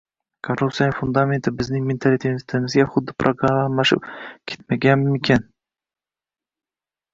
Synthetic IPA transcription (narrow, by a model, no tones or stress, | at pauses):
kʰorːup̚t̪sijanɪfʊnd̪amʲe̞nt̪ʰɪbɪznɪŋme̞nt̪ʰalit̪ʰet̪ʰɪmɪzɡʲaχʊd̪ːɪpʰɾʔoɡɾamaːmlaʃɪ̰pkʲʰe̞̥t̪maɡʲanmmekʲʰan